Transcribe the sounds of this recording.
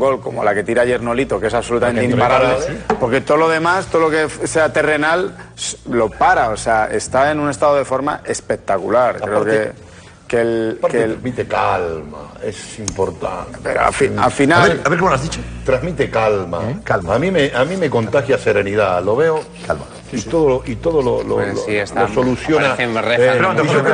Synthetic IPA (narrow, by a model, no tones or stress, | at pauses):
uŋɡo̞lko̞mo̞̰lake̞t̪iɾaʝeɾno̞lit̪o̞keesaβso̞lut̪amenĩmpaɾaβlepoɾke̞t̪oðolo̞ðe̞mast̪oðolokefseat̪ere̞nalsːo̞paɾao̞seaʔe̞̰st̪ae̞nune̞st̪aðoð̞e̞fo̞ɾma̰e̞spe̞k̚t̪akulaɾkɾeoke | kelaɾkeemit̪ekalma̰esimpo̞ɾt̪a̰nt̪eɾo̰a̰fia̰finaeaβeɾkemoazðit͡ʃot̪ɾazmit̪ekalma̰kalaːmĩmeʔamĩme̞ko̞nt̪axjase̞ɾe̞niðalo̞βeo | kala | itt̪oðoloʔit̪o̞ðololo̰iesosolusjonaθenreɾio